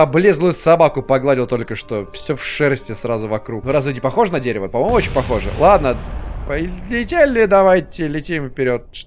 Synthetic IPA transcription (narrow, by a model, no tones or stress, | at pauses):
ɐblʲezlˠʊjʊsɐbakʊpɐɡlˠadʲɪlˠt̪olʲkəʂt̪o̞fsʲofʂɛɾəsʲtʲɪsrazʊvɐkɾuknuɾazvʲidʲɪpɐxo̞ʐənɐdʲeɾʲɪvəpɐmo̞jmʊot͡ɕɪnʲpɐxo̞ʐə̰lˠad̪nəpəlʲɪtʲelʲːɪd̪ɐvajtʲɪlʲɪtʲimfpʲɪɾʲo̞t̪̚ʂ